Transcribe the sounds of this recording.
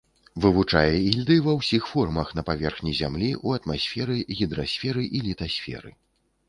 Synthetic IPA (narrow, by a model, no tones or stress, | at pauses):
vɨvut͡ʂajɛilʲd̪ɨvɐwsʲixfɔrmɐxn̪ɐpavʲɛrxnʲizʲamlʲiʔuɐt̪masʲfʲɛɾɨɣʲid̪ɾasʲfʲɛɾɨʔilʲit̪asʲfʲɛ̰ɾɨ̰